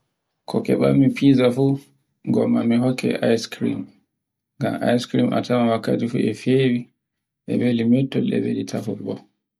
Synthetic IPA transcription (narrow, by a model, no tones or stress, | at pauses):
kʰɔkɛɓamːipizafu | ɡɔmːamiɦɔkʰːɛ̰ʔajskɾḭm | ŋɡama̰jskɾimʔa̰tʰamawakːa̰tifuɛfewi | ʔɛ̰belimɛtːɔlɛ̰belitʰafɔlɓɔ